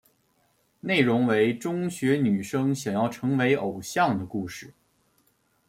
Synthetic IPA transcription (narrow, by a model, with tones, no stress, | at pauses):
ne˥˩ɪɻʊ˧˥ŋwe˧˥ɪʈ͡ʂʊ˥ŋɕɥɛ˧˥ny˨˩ʂɤ˥ŋɕjɑ˨˩ŋjɑ˥˩ʊʈ͡ʂʰɤ˧˥ŋwe˧˥ɪʔo˨˩ʊɕjɑ˥˩ŋd̪ə˩ku˥˧ʂɻ̩˥˩